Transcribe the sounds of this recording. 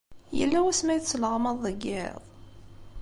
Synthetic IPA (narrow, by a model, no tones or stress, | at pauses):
jə̰lːæwæsmæjət͡sːəlʁmɑðˤːəɡːɪ̰ðˤ